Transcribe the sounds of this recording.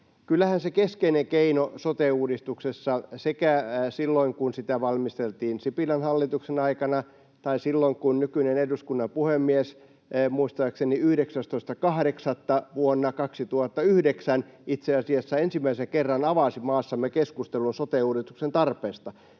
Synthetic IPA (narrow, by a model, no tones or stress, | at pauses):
kylːæhænsekeskeineŋkeinosot̪euːdist̪uksesːɑsekæsilːoiŋkunsit̪æʋɑlmist̪elt̪iːnsipilɑnhɑlːit̪uksenɑikɑnɑ | t̪ɑisilːoŋkunnykyneneduskunːɑmpuhemːies | muist̪ɑːkseniyhɾeksæst̪oist̪ɑkɑhɾeksɑt̪ːɑʋuonːɑkɑksit̪uhɑt̪ːɑyhdeksænit̪seɑsiɑsːɑensimːæisekerːɑnɑʋɑsimɑːsːɑmːekeskust̪elunsot̪euːdist̪u̥ksent̪ɑrpeːst̪ɑ